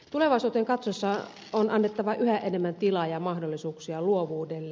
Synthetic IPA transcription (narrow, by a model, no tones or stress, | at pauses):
t̪uleʋɑˑisuːt̪eŋkɑt̪sosːɑ | onɑnːet̪ːɑʋɑʔyhæʔenemːænt̪ilɑjɑmɑhdolːisuːksiɑluoʋuːdelː